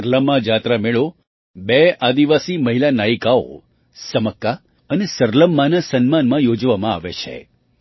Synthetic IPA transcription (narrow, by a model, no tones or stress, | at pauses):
əɾləmːad͡ʒat̪ɾameɭo | bead̪iʋasiməɦilanaikao̰ | səməkːa | ənesəɾləmːanasənmanmãjod͡ʒʋamãa̰ʋḛt͡ʃʰḛ